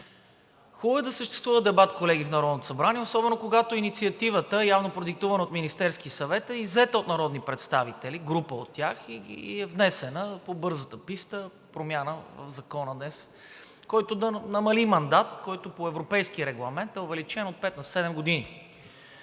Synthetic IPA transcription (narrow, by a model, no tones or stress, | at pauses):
xubɛd̪ɐsəʃt̪ɛst̪vuvəd̪ɛbat̪kolɛɡ̟ifnɐɾɔd̪not̪osɐbɾaniɛosɔbɛnokoɡat̪oinit̪siɐt̪ivət̪əɛjavnopɾod̪ik̚t̪uvənəot̪minist̪ɛɾskisɐvɛt̪ɛizɛt̪əot̪nɐɾɔd̪nipɾɛt̪st̪avit̪ɛliɡɾupəot̪ːjaxiɛvnɛsɛnəpobɤɾzət̪əpist̪ə | pɾomjanəvə̰vzɐkɔnəd̪nɛs | kɔjt̪od̪ɐnɐmɐlimɐnd̪at̪kɔjt̪opoɛvɾopɛjskiəɾɛɡlˠɐmɛnt̪ɛovɛlit͡ʃɛnot̪̚pɛt̪nɐsɛd̪ɛmɡod̪ini